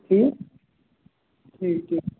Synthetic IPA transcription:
ʈʰiːk̚ | ʈʰiːkʰːiː

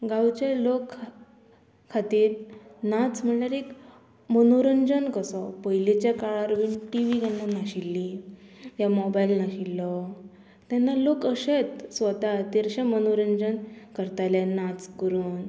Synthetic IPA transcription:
ɡãwt͡ɕelokʰː | kʰːat̪iːɾnat͡sm̤əɳlaɾek | mənoɾəɲd͡ʑənkəsɔpəɦjlet͡ɕjakaɭaɾʋinʈiʋiɡanːanaɕilːijamɔbailnaɕilːɔ | t̪janːalokəɕet͡s̪sʋət̪at̪eɾɕɛ̃mənoɾəɲd͡ʑənkəɾt̪ajlenat͡skəɾuːn

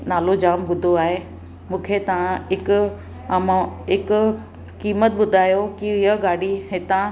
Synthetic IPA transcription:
naːlod͡ʑaːmɓʊd̪ʱoaːɦe | mũːkʰet̪ɐʋ̤ãɪkʊ | mãɪkʊ | kiːmət̪ɓʊd̪ʱaːjokiɪɦəɡaːɽiɦɪt̪ã

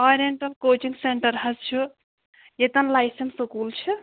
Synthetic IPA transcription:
ɔːɾeɳʈɐlkoːt͡ʃiŋɡseɳʈəɾɦɐst͡ʃʰu | jet̪ɐnlajsensukult͡ʃʰi

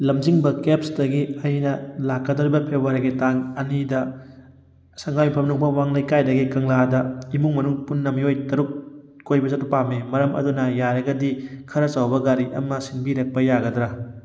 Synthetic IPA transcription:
lɐmziŋbɐkepsdɐɡiɐjnɐlakːɐdɐɾibɐpʰebaɾɐɡitaŋɐnidɐ | sɐŋɡajmipʰɐmnuŋpɐwaŋlɐjkajdɐɡikɐŋladɐimuŋmɐnuŋpunːɐmijojtɐɾuk̚ | kojbɐzɐtupamemɐɾɐmɐ̰dunɐjaɾɐɡɐdikʰɐɾɐt͡ʃawbɐɡaɾiʔɐ̰mɐsinbiɾɐk̚pɐjaɡɐdɾɐ

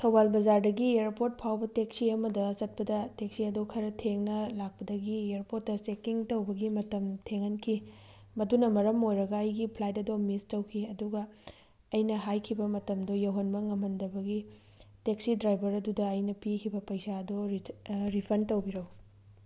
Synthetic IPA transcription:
tʰɐwbalbɐzaɾdɐɡieɾpoɾt̚pʰawbɐteksiɐmɐdɐsɐt̚pɐdɐteksiɐdokʰɐɾɐtʰeŋnɐlak̚pɐdɐɡieeɾpotːɐsekiŋtɐwbɐɡimɐtɐmtʰeŋɐnkʰi | mɐdunɐmɐɾɐmojɾɐɡɐːjɡipʰlajtɐdomistɐwkʰiɐduɡɐː | jnɐɦajkʰibɐmɐtɐmdojɐwɦɐnbɐŋɐmɦɐndɐbɐɡi | teksidɾajbɐɾɐdudɐɐjnɐpikʰibɐpɐjsaɐdoɾɾipʰɐɾntɐwbiɾɐw

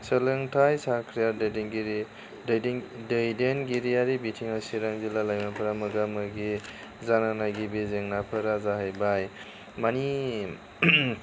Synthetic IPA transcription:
səlɯŋtʰajsakʰɾijadedenɡiɾ | djddɯjdenɡiɾijaɾibitʰiŋasiɾaŋzilalajmapʰəɾamɯɡamɯɡi | zananaɡibezeŋnapʰəɾazaɦajbaj | mani

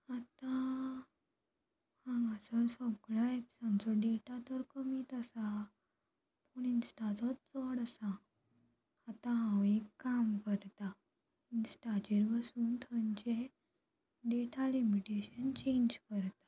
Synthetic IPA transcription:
at̪ã | hãŋɡasəsəɡɭaepsãnt͡sɔɖeʈat̪əɾkəmiːt̪əsa | pəɳinsʈat͡sɔt͡səɽəsã | t̪ãɦãwekːamkəɾt̪a | insʈat͡ɕeɾbəsuːnt̪ʰənt͡ɕe | ɖeʈʰalimiʈeɕənt͡ɕẽɲd͡ʑkəɾt̪ḁ

